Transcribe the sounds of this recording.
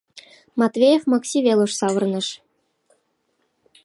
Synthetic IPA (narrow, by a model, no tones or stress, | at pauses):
mɑt̪vʲejefmɑksʲivʲelˠuʂsɑʋɤ̆rnɤ̆ʂ